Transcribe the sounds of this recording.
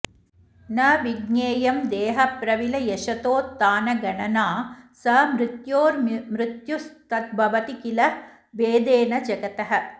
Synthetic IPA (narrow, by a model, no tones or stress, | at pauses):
nɐʋiɡneːjɐmd̪eːɦɐpɾɐʋilɐjeʃɐt̪oːt̪ːaːnɐɡɐɳɐnaːsɐmɾɪt̪joːɾmɾɪt̪just̪ɐt̪̚bʱɐʋɐt̪ikilɐ | ʋeːd̪eːnɐd͡ʒɐɡɐt̪ɐɦɐ̆